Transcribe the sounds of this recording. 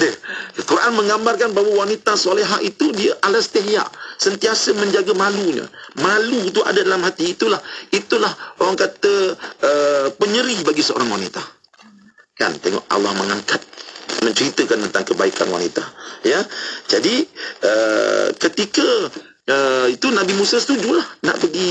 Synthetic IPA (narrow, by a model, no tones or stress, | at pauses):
dəkəkuɾaʔanmə̃ŋambarkanbaɦwawanit̪asoleɦaʔit̪udiəʔalast̪eɦja̰ʔsənt̪iasəməɲd͡ʒaɡamaluɲə̰malut̪̬ua̰dadalamhat̪iːt̪ulahit̪ulahoaŋkat̪əəpəɲəɾibaɡisəo̰ɾaŋwanit̪a | ka̰nt̪eŋɔ̰ʔa̰lahməŋaŋkat̪̚mə̃ɲt͡ʃəɾit̪əkant̪ənt̪aŋkəbaikanwa̰nit̪ajad͡ʒadiə̰kət̪ikə | əit̪unabimusasə̥t̪ud͡ʒulahna̰ʔpəɡi